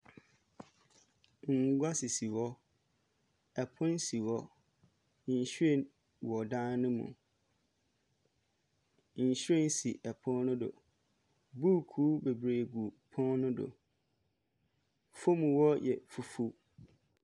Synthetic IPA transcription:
ŋ̩˨˦ɡʷa˦si˨si˨wɔ˦ | ɛ˨pʰʊ̃˦n˦si˨wɔ˦ | n̩˨ɕe˦˨n | wɔ˨dã˦nnʊ̃˦mṵ̃˨ | n̩˨ɕɾẽ˦n̩˦si˨ʔɛ˨pʰɔ̃˦n˦nʊ̃˦do̰˨ | bu˦kʰuː˦be˨bɾeː˨ɡu˨pʰɔ̃˦nnʊ̃˦do̰˨ | fo˦mũ˨wɔ˦jɛ̰˨fu˨fu˦

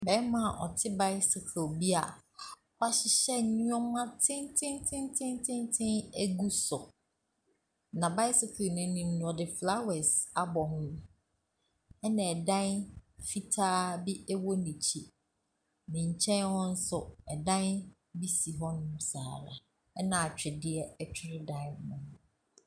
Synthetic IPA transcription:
bɛ˨˦mã˨ʔɔ̰˨tʰɪ˦ba˦ɪ˦sʊ˨kʰo˨bi˦a˨ | ha˦ɕɪ˨ɕɛ˦˨ɲũ˦ɔ˦m˦ã˦tʰɪ̃˦ntʰɪ̃˦ntʰɪ̃˦ntʰɪ̃˦ntʰɪ̃˦ntʰɪ̃˦næ˦ɡu˦sʊ̰˨ | nã˨ba˦ɪ˦sɪ˨kʰo˨nʊ̃˦nʊ̃˨n̩˦nʊ̃˨ɔ˨dɪ˨fla˦wɛ˨sa˨bɔ˨hʊ̃˦ | ɛ˦nã˨ɛ˨dã˦nfi˦tʰaː˦bi˦ɛ˦wɔ˦nĩ˨t͡ɕʰi˦ | nɪ̃˨ɲ̩˨t͡ɕʰɛ̃˦nhɔ̃˦n̩˦sʊ˨ɛ˨dã˦n | bi˦si˨ɦɔ˦nʊ̃˦m˦sa̰ː˨ɾa̰˨ | ɛ˦nã˨a˨t͡ɕᶣɪ˨dɪ˦ɛ˦ɛ˦t͡ɕʰᶣɪ˦ɾɪ˦dã˦nʊ̃˨ñ˨

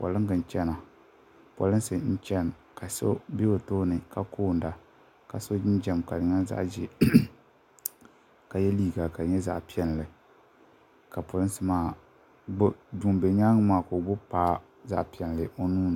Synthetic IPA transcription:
pɔ̰˨lɨ˦ŋ˦ɡɨ˨n˨t͡ʃɛ˦na˨ | po̰˨lɨ˦n˦sɨ˨n̩˦t͡ʃɛ˦n˨ | ka˨so̰˦be˦o˨to˦nɨ˨ka˦kʰoː˦˨n̩˨da˨ | ka˨so˦d͡ʒɪ˦n˦d͡ʒɛ˦mka˨dɨ˨ŋa˦za̰˦ʔd͡ʒɛ˨ | ka˨jɛ˦liː˦ɡa˨ka˨ɲɛ˦za̰˦ʔpi˦ɛ˦n˨lɨ˨ | ka˨po˨lɨ˦nsɨ˦maː˦ | ɡ͡bʊ˦du˨mbe˨ɲaː˦ŋɨ˦maː˨ko˨ɡ͡bʊ˦paː˦ | za̰˦ʔpi˨ɛ˨n˨lɨ˨o˦nuː˦nɨ˨

